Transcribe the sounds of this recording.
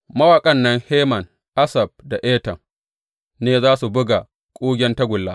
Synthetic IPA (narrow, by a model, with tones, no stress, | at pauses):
mɐ˦wa˨kʼɐ˦nːɐ˦ŋheː˦mɐ˨n | ʔa˦sɐ˨b̚da˨ʔeː˦tɐ˨m | neː˦zaː˦su˨bʊ˦ɡa˨ | kʷʼoː˦ɡʲɛ˦ntɐ˦ɡʷʊ˨lːaː˦